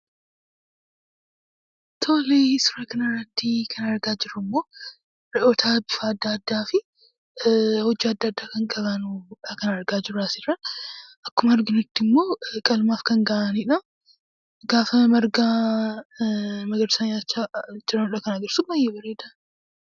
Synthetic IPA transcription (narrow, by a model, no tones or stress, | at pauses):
t̪ʰoːleːsʊɾɐkɐnɐrːɐt̪ːikʰɐnɐɾɡaːd͡ʒɪrːʊmːo̞ː | ɾɛʔoːt̪ʰaːbɪfaːd̪ːɐɐd̪ːaːfɪ | hɔd͡ʒːiːɐd̪ːɐɐd̪ːaːkɐŋkʼɐβɐnuᶑɐkɐnɐɾɡaːd͡ʒɪrːaːsɪɾɐnʔɐkːʊmɐɐɾɡɪnʊt̪ːɪmːo̞ːkʼɐlmaːfkɐŋɡɐʔaniᶑɐ | ɡaːfɐmɐɾɡaː | mɐɡɐd̪sanaːt͡ʃːad͡ʒɪɾɐnᶑɐkɐnɐɡɐɾsʊɐjeːbɐreːd̪ɐ